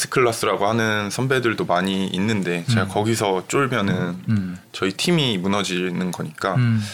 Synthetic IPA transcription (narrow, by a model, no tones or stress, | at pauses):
s͈ʰɯ̥kʰɯɭːas͈ɯɾaɡohanɯnsʰʌmbe̞dɯɭdomaɲiinːɯnde̞t͡ɕeɡakʌɡisʰʌt͡ɕ͈oɭmjʌnɯnt͡ɕʌitʰimimunʌd͡ʑinɯnɡʌɲik͈a